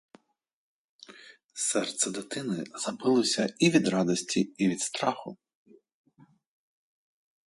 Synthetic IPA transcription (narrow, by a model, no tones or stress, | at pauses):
sɛrt̪sɛd̪ɪt̪ɪnɪzɐbɪlˠɔsʲɐiʋʲid̪ɾɑd̪ɔsʲtʲiiʋʲid̪st̪ɾɑxʊ